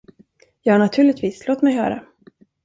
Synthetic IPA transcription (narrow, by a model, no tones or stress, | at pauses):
jɑːhaɳat̪ʰʉ̟ːɭɪt̪viːsloːt̪mɛjɦœ̰ːɾa̰